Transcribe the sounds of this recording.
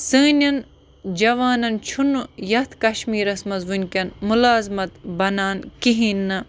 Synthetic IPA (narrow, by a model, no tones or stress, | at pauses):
sɨːnʲɐn | d͡ʒɐʋaːnɐnt͡ʃʰunujɐt̪ʰkɐʃmiːɾɐsmɐzʋunʲkʲɐnmulaːzmɐt̪bɐnaːnkiɦinːɐ